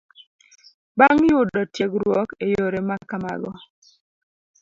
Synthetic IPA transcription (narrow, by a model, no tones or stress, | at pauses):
baŋjʊdɔtjeɡɾwɔkejoɾemakama̰ɡɔ